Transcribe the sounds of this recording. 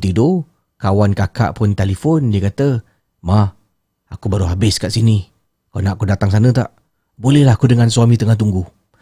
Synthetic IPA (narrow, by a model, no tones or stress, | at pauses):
t̪ido | kawankaka̰ʔpʊnt̪elifondiəkat̪ə | mah | akubaɾuɦabɪskaʔsini | kanaʔakudat̪aŋs̬anət̪a̰ʔ | bolɛhlaɦakudəŋansuamĩt̪əŋaht̪̬uŋɡu